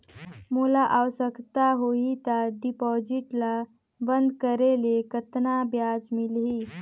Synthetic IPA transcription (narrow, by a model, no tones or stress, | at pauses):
mulaʔawsəkt̪aɦoɦit̪aɖipɔd͡ʒiʈla | bənd̪kəɾelekət̪nabjad͡ʒmilɦi